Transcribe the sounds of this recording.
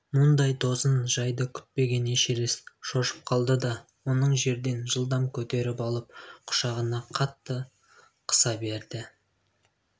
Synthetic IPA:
mʊnd̪ɑjd̪o̞zənʒɑjd̪əkʲʰʏ̥t̪̚pe̞ɡʲe̞neʃeɾesʃo̞ʃə̥p̚qʰɑlˠd̪əd̪ɑ | wo̞nəɴʒe̞ɾd̪e̞nʒəlˠd̪ɑmkʲʰɵt̪e̞ɾɪpɑlˠəp̚qʰʊ̥ʃɑʁənɑqʰɑt̪ːə | qʰə̥sɑbe̞ɾd̪ɪ

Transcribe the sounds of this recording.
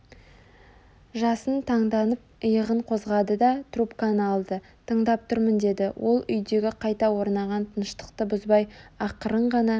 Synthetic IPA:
ʒɑsənt̪ʰɑɴd̪ɑnəp̚əjəʁəɴqʰo̞zʁɑd̪əd̪ɑt̪rupkanəɑlˠd̪ə | t̪ʰəɴd̪ɑp̚t̪ʰʊɾmənd̪e̞d̪ɪwʔo̞lˠʏjd̪e̞ɡʲɪqʰɑjt̪ɑwo̞ɾnɑʁɑnt̪ʰənəʃt̪ə̥qt̪əbʊzbɑjɑqəɾəɴʁɑnɑ

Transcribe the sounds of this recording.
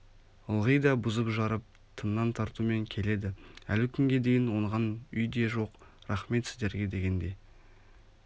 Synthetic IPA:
əlˠʁəjd̪ɑbʊzəpʒɑɾəp̚ | t̪ʰənːɑnt̪ʰɑɾt̪ume̞ŋkʲʰe̞le̞d̪ɪæ̰lɪkʲʰʏŋɡʲe̞d̪e̞jɪnwo̞ɴʁɑnʏjd̪e̞ʒo̞q | ɾɑχme̞t̪sɪzd̪e̞ɾɡʲe̞d̪e̞ɡʲe̞nd̪e̞j

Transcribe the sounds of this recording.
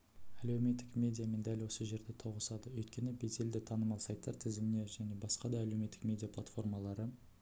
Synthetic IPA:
ælewme̞t̪ːɪkmʲe̞d̪ʲijame̞nd̪ælwo̞səʒe̞ɾd̪e̞t̪ʰo̞ʁəsɑd̪əwɵjt̪kʲe̞nɪbe̞ze̞ld̪ɪt̪ʰɑnəmɑlˠsɑjt̪ːɑɾt̪ʰɪzɪmɪne̞ʒæne̞bɑsqɑd̪ɑːlewme̞t̪ːɪkmʲe̞d̪ʲijapʰlˠat̪fo̞rmɑlˠɑɾə

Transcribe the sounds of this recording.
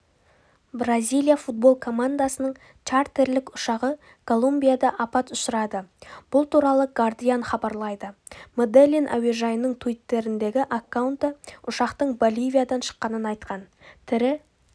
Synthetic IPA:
brazʲijlˠijafut̪̚bo̞lˠkʰo̞mand̪asənəɴ | t͡ʃaɾt̪e̞ɾlɪkʊʃɑʁə | kʰo̞lˠumbʲijad̪ɑʔɑpɑt̪ʊsəɾɑd̪əb̥ʊlˠt̪ʰuɾɑlˠəɡard̪ijanχɑbɑɾlˠɑjd̪əmod̪elʲinʔa̰weʒɑjənəɴt̪ʰuujt̪ːe̞ɾɪnd̪e̞ɡʲɪʔakːawnt̪əʊʃɑqt̪əɴbo̞lʲijvʲijad̪ɑnʃə̥qːɑnənɑjt̪qɑn | t̪ʰɪɾɪ

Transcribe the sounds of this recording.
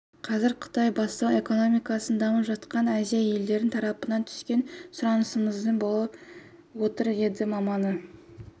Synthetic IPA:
qʰɑzɪɾqʰʊ̥t̪ɑjbɑst̪ɑwe̞ko̞no̞mijkɑsənd̪ɑməpʒɑt̪qɑnæzijaje̞ld̪e̞ɾɪnt̪ʰɑɾɑpənɑnt̪ʰʏ̥skʲe̞nsʊɾɑnəsəɴəzd̪əbolˠɑp | wo̞t̪əɾje̞d̪ɪmɑmɑnə

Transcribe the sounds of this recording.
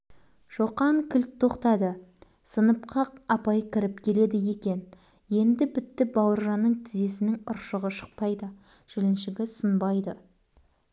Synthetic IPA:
ʃoqɑŋkʲʰʏlt̪ʰːo̞qt̪ɑd̪ə | sənəp̚qʰɑq̚ɑpɑjəkʲʰɪɾɪpkʲʰe̞le̞d̪ɪje̞kʲe̞n | je̞nd̪ɪbɪt̪ːɪbɑwəɾʒɑnːəɴt̪ʰɪze̞sɪnɪŋʊɾʃəʁəʃə̥q̚pɑjd̪ə | ʒ̥ɪlɪnʃɪɡʲɪsənbɑjd̪ə

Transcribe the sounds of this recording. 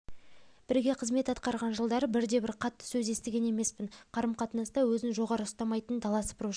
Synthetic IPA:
b̥ɪɾɡʲe̞qʰəzme̞t̪ɑt̪qɑɾʁɑnʒəlˠd̪ɑɾəbɪɾd̪e̞bɪɾqʰɑt̪ːə̥sɵze̞st̪ɪɡʲe̞ne̞me̞spɪnqʰɑɾəmqʰɑt̪ənɑst̪ɑwɵzɪnʒo̞ʁɑɾəʊst̪ɑmɑjt̪ənd̪ʰɑlˠɑsə̥pɾu

